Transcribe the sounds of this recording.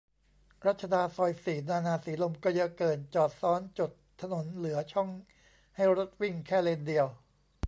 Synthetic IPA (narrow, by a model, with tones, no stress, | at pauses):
ɾa˦˥t̪̚t͡ɕʰa˧daː˧nsɔː˧jsiː˨˩naː˧naː˧siː˩˦lo˧mkɔː˥˩ja˦˥kɤː˨˩nt͡ɕɔː˨˩t̪̚sɔː˦˥nt͡ɕo˨˩t̪ʰːa˧no˩˦nlɯ˩˦ɐt͡ɕʰɔ˥˩ŋ | ha˥˩jɾo˦˥t̪̚wi˥˩ŋkʰɛː˥˩le˧ndi˧əw